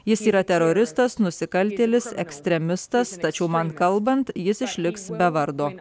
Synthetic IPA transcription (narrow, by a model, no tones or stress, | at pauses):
jɪsiːɾɐt̪ʲɛɾoːɾʲɪst̪ɐsnʊsʲɪkɐlʲˑt̪ʲeːlʲɪsɛ̰ksʲt̪ʲɾʲɛmʲɪst̪ɐst̪ɐt͡ʃʲɛʊmɐnkɐlˠˑbɐnt̪jɪsɪʃʲlʲɪksbʲɛʋɐɾd̪oː